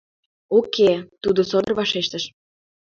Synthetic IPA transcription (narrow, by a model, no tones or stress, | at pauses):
okʰet̪ud̪osod̪ə̆rβɑʃeʃt̪əʃ